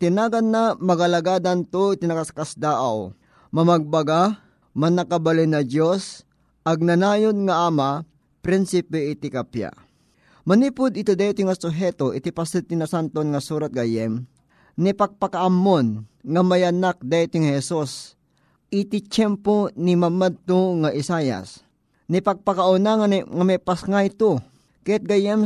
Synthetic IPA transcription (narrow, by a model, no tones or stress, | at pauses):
t̪ɪnaːɡanːamɐɡalaɡaːd̪ant̪oʔɪt̪inɐkaskasd̪aːʔaw | mɐmaɡ̚bɐɡa | mɐnɐkabalɪnɐd̪jos | ʔɐɡ̚nɐnaːjonŋaʔaːma | pɾinsɪpɛʔɪt̪ɪkapja̰ | mɐniːpʊd̪ɪt̪od̪ajt̪ɪŋasʊɦɛt̪oʔɪt̪ɪpasɪt̪ɪnɐsant̪onŋɐsuːɾat̪̚ɡajɛm | nipɐɡ̚pakaʔamːonŋɐmajɐnak̚d̪ajt̪iŋhɛsus | ʔɪt̪ɪt͡ʃɛmponimamad̪̚t̪oŋaʔɪsaja̰s | nipɐɡ̚pakaʔʊnaŋŋamɛpasŋajt̪o | kɐjat̪̚ɡajɛm